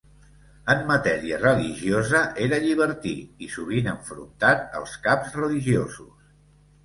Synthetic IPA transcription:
əmːət̪ɛɾiərəliʒiozəʔeɾəʎiβ̞əɾt̪ḭisuβ̞inəɱfɾṵnt̪at̪̚ə̰lˠskapzrəliʒiozṵs

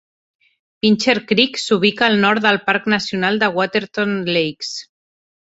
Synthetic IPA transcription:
pinʲt͡ʃeɾkɾiksuβ̞ikaːlˠnɔɾt̪d̪əlˠpaɾknasjunalˠd̪əɣwat̪eɾt̪onlejks

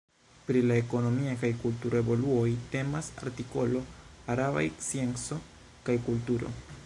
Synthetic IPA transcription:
pɾilae̞ko̞no̞miakajkultuɾoebo̞luojte̞masa̰ɾtiko̞lo̞aɾaβa̰jsie̞nt͡so̞ | kajkultuɾo̞̰

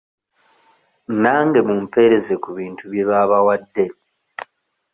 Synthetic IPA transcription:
naːŋɡe̞mumpe̞ɾe̞zekuβiːntʰuβjeβaːβawadːe̞

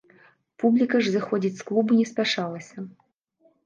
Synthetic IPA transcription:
publʲikɐʐzɨxɔd͡zʲit͡sʲsklˠubunʲɛsʲpʲaʂɑlˠɐsʲɐ

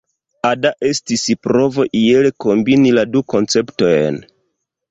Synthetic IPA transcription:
adaʔe̞stispɾo̞vo̞ʔie̞leko̞mbiniladuko̞nt͡se̞pto̞jn

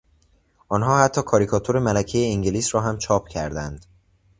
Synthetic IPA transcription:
ʔɒːnɦɒːhæt̪ʰːɒːkʰɒːɾikʰɒːt̪ʰoɾe̞mælæcʰejeiŋɟeliːsɾɒːɦæmt͡ʃʰɒːpʰcʰæɾd̪ænd̪̥

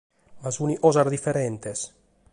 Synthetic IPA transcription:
mazuniʔɔzaɾd̪ifeɾent̪es

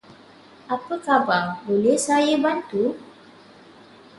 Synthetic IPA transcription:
ʔapəkababolɛhsajəbant̪u

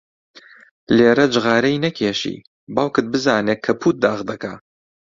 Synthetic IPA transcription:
leːɾɐd͡ʒɨɣaːɾɛjnɐkʰeːʃḭ | baːwkɨd̪̚bɨzaːnekʰːɐpʰuːt̪̚d̪aːɣd̪ɐkʰaː

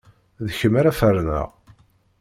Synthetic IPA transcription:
ðəçəmaɾæfəɾnə̰ʁ

